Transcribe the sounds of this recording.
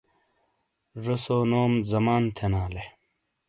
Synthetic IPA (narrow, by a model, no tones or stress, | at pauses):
ʐosoːnoːmzɐmaːnt̪ʰenaːle